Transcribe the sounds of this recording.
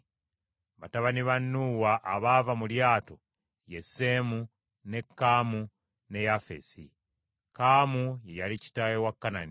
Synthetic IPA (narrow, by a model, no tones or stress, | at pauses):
βataβaniβanːuwaʔːβavamuljaːto̞̰ | je̞sːe̞ːmu | ne̞kːaːmu | ne̞jafḛsḭ | kaːmuje̞jalici̥tawewakːanani